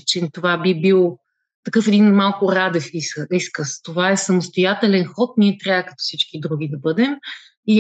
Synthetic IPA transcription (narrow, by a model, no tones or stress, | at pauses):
t͡ʃɛnt̪ovabibilˠ | t̪ɐkɤfɛd̪inmalˠkʊɾad̪ɛfisiskəst̪ovaɛsɐmʊst̪ojat̪ɛlɛnxɔt̪̚niɛt̪ɾʲaəkɐt̪ɔ̥sit͡ʃkid̪ɾuɡ̟id̪ɐbɤd̪ɛm | i